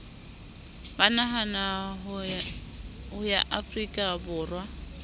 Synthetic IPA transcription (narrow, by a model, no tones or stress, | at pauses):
banaɦanaɦ | ɦʊjaʔafrikʼabʊːrwa